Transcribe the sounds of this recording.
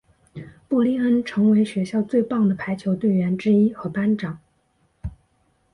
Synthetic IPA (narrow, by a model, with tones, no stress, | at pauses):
pu˥˩li˥˩ə˥nʈ͡ʂʰɤ˧˥ŋwe˧˥ɪɕɥɛ˧˥ɕjɑ˥˧ʊt͡swe˥˧ɪpɑ˥˩ŋd̪ə˩pʰa˧˥ɪt͡ɕʰjo˧˥ʊt̪we˥˩ɪɥɛ˧˥nʈ͡ʂɻ̩˥i˥xɤ˧˥pa˥nʈ͡ʂɑ˨˩˦ŋ